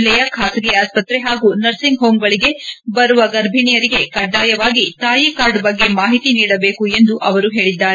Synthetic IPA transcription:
lɛjɐkʰaːsɐɡɛaːspɐt̪ɾeɦaːɡunɐɾsiŋɡɦoːmɡɐɭiɡe̞bɐɾuʋɐɡɐɾbʱinijɐɾiɡe̞kɐɖːaːjɐʋaːɡit̪aːjikaːɾɖbɐɡːe̞maːɦit̪iniːɽɐbe̞ːkue̞nd̪uʔɐʋɐɾuɦe̞ːɭid̪ːaːɾe

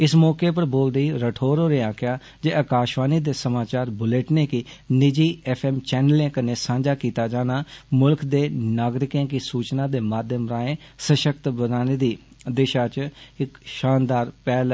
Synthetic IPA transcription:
ɪsmɔːkeːpəɾboːld̪əiːɾəʈʰoːɾoːɾeːaːkʰɪjaː | d͡ʒeːəkaːʃʋaːniːd̪eːsəmaːt͡ʃaːɾbʊleːʈneːkɪ | nɪd͡ʒiːɛpʰɛːmt͡ʃɛːnəlẽːkəneːsãːɲd͡ʒaːkiːt̪aːd͡ʒaːnaːmʊlkd̪eːnaːɡɾɪkẽːkɪsuːt͡ʃnãːd̪eːmaːd̪ʱjəmɾaːẽːsəʃəkt̪bənaːneːd̪iː | d̪ɪʃaːt͡ʃɪkʃaːnd̪aːɾpɛːl

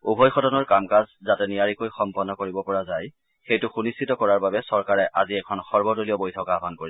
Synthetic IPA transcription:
ubʱɔjxɔtɔnɔɹkamkazzatɛnijaɹikojxɔmpɔnːɔkoɹibɔpɔɹazaj | xejtʊxunistʰitɔkɔɹaɹbabɛsɔɹkaɹɛʔaziɛkʰɔnxɔɹbɔdoliɔbojtʰɔkabʱankoɹi

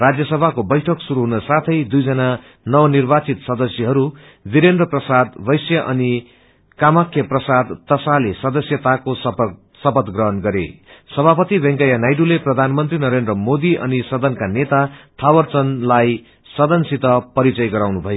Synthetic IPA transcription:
rad͡zjʌsʌbʱakobʌjʈʰʌksuɾuɦunʌsat̪ʰʌjd̪ujd͡zʌna | nʌwʌnirbat͡sit̪sʌd̪ʌsjʌɦʌɾu | biɾend̪rʌprʌsad̪bʌjsjʌʔʌni | kamʌkʰjʌprʌsad̪t̪ʌsalesʌd̪ʌsjʌt̪akosʌp | sʌpʌt̪ɡrʌɦʌnɡʌɾḛsʌbʱapʌt̪ibʌŋkajanajɖuleprʌd̪ʱanmʌnt̪rinʌɾend̪rʌmod̪iʔʌ̰nisʌd̪ʌnkanet̪at̪ʰawʌrt͡sʌnlaj | sʌd̪ʌnsit̪ʌpʌɾit͡sʌjɡʌɾawnubʱʌjo

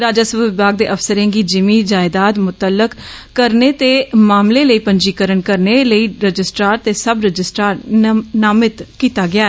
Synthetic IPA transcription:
ɾaːd͡ʒaːsəbʋɪbaːɡ̚d̪eːʔəfsəɾẽːɡiːd͡ʒɪmiːd͡ʒaːɪd̪aːt̪mʊt̪əlːəkː | əɾneːt̪eːmaːmleːləiːpəɲd͡ʒiːkəɾənkəɾneləiːɾəd͡ʒɪsʈɾaːɾt̪eːsəbɾəd͡ʒɪsʈɾaːɾnaːmɪt̪kiːt̪aːɡɪaːɛ

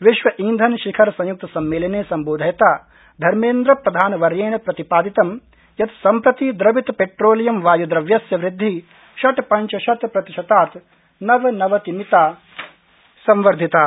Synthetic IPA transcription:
ʋiʃʋɐʔind̪ʱɐnʃikʰɐɾɐsɐ̃juk̚t̪ɐsɐmːeːlɐneːsɐmboːd̪ʱɐjɐt̪aː | d̪ʱɐɾmeːnd̪ɾɐpɾɐd̪ʱaːnɐʋɐɾjeːnɐpɾɐt̪ipaːd̪it̪ɐm | jɐt̪sɐmpɾɐt̪id̪ɾɐbit̪peʈɾoːlijɐmʋaːjud̪ɾɐʋjɐsjɐʋɾɪd̪ʱːi | ʃɐʈpɐɲt͡ʃɐʃɐt̪pɾɐt̪iʃɐt̪aːt̪ | nɐʋɐnɐʋɐt̪imit̪aː | sɐmʋɐɾd̪ʱit̪aː

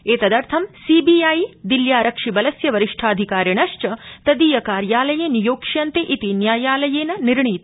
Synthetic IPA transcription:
eːt̪ɐd̪ɐɾt̪ʰɐmsiːbiaːjd̪iljaːɾɐkʂibɐlɐsjɐʋɐɾiʂʈʰaːd̪ʱikaːɾjɐɳɐʃt͡ʃɐt̪ɐd̪iːjɐkaːɾjaːlɐjeːnijoːkʂɐnt̪eʔit̪injaːjaːlɐjeːnɐniɾɳit̪

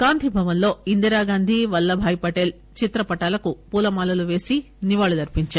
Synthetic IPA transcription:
kaːnd̪ʱibʱɐʋɐnlo̞ːind̪iɾaːɡaːnd̪ʱiʋɐlːɐbʱaːjpɐʈeːl | t͡ʃit̪ɾɐpɐʈaːlɐkupuːlɐmaːlɐluʋe̞ːsi | niʋaːɭɐd̪ɐɾpiɲt͡ʃa

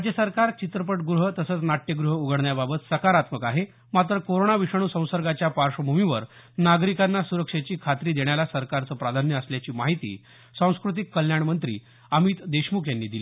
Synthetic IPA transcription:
d͡ʑesəɾkaɾt͡ɕit̪ɾəpəʈ̚ɡɾuɦət̪əsəːt͡snaʈjəɡɾuɦəuɡʱəɽɳjababət̪səkaɾat̪məkaɦe | mat̪ɾəkoɾoɳaʋiʂaɽ̃uːsə̃w̃səɾɡat͡ɕjapaɾʂəbʱumiʋəɾnaɡɾikanːasuɾəkʂet͡ɕiːkʰat̪ɾiːd̪eɳjalasəɾkaɾt͡səːpɾad̪ʱanjəəsljat͡ɕiːmaɦit̪ḭː | sə̃w̃skɾut̪̬ikːəljaɳmənt̪ɾḭː | əmiːt̪d̪eɕmukjanːiːd̪iliː

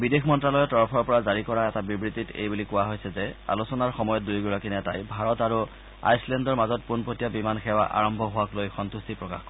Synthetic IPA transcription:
bidexʰmɔntɹalɔjɔtɔɹpʰɔɹpɔɹazaɹikɔɹaɛtabibɹititḛjbulikʊwaɦojsɛzɛa̰lusɔnaɹxɔmɔjɔt̚dujɡuɹakiniatajbʱaɹɔtaɹu | a̰jslɛndɔɹmazɔt̚punpotijabimanxɛwa̰ʔa̰ɹɔmbʱɔɦʊwaklojxɔntustipɹɔka̰x

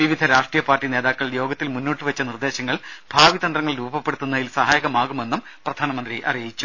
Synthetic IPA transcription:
ʋiʋid̪ʱɐɾaːʂʈrijɐpaːrʈːine̞ːðaːkːɐɭjo̞ːɡɐt̪ːilmunːoːʈːɨʋɐt͡ɕːɐnird̪e̞ːɕɐŋːɐɭb̥ʱaːʋid̪ɐnd̪rɐŋːɐɭɾuːbbɐpːeɽut̪ːunːɐðilsɐɦaːjɐɣɐmaːɣume̞nːum | prɐd̪ʱaːnɐmɐnd̪riʔɐ̰rijit͡ɕːu

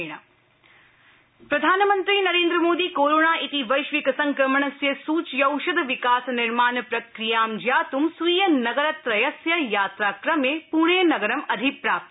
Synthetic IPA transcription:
ɳ̃ɐ | pɾɐd̪ʱaːnɐmɐnt̪ɾiːnɐɾeːnd̪ɾɐmoːd̪iːkoːɾoːɳaːʔit̪iʋɐjʃʋikɐsɐŋkɾɐmɐɳ̃ɐsjɐsuːt͡ʃjɐwʃɐd̪ʱɐʋikaːsniɾmaːnɐpɾɐkɾijaːmd͡ʒjaːt̪umsijɐnɐɡɐɾɐt̪ɾɐjɐsjɐjaːt̪ɾaːkɾɐmeːpuːɳ̃eːnɐɡɐɾɐmɐd̪ʱipɾaːp̚t̪

